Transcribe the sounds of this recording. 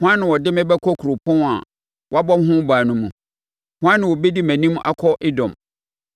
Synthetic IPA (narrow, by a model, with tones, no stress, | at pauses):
hʊ̃˦ã˦nːɪ̃˨wɔ˨dɪ˦mɛ̃˦bɛ˦kʰɔ˦kʰu˨ɾo˨pʰʊ̃˦˨a̰˨ | wɔ˦a˦bɔ˦m˦ɦʊ̃˦baː˨nʊ̃˦mːũ˨ | hʊ̃˦ã˦nːɪ̃˨wo˨be˦di˦mæ̃˨nĩ˦m˦ʔa˦kʰɔ˦ʔɪ˦dɔ̃˨m